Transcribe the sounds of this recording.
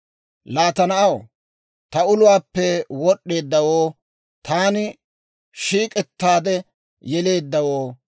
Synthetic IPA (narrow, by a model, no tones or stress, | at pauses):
laːt̪ɐnɐʔɐw | t̪ɐʊlʊwaːpːɛwɔɗːe̞ːd̪ːɐwoː | t̪ʰaːnɪ | ʃiːkʼɛt̪ːaːd̪ɛ | jɛle̞ːd̪ːɐwoː